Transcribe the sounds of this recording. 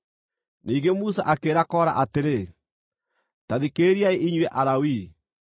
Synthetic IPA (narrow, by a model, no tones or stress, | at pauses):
niːŋɡemusa̰ʔakeːɾakɔːɾa̰ʔateɾe | taðikeːɾiaeʔiɲwɛʔaɾawi